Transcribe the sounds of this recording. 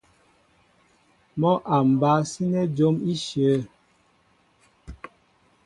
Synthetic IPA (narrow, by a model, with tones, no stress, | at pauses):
mɔ˦ʔa˨m̩˨ba˨˦si˦nɛ˦d͡ʒo˦mi˦ʃə˨˦